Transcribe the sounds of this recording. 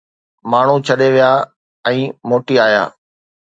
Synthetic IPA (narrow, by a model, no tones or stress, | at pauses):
maːɳ̤ut͡ɕʰɐɗeʋijaː | ɛ̃ːmoːʈiaːja̰ː